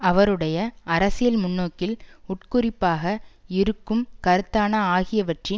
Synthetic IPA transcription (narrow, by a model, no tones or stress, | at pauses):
ɐʋɐɾɯɽɐjɐʔɐɾɐsɪjɐlmʊnːoːkːɪlʊʈkʊrɪpːaːɣɐɪɾɯkːɯmkɐɾɯt̪ːaːnɐaːɣɪjɐʋɐʈrɪ